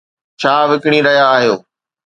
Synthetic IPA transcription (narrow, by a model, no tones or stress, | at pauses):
t͡ɕʰaːʋɪkɽ̃ĩɾɐɦjaːɦijoː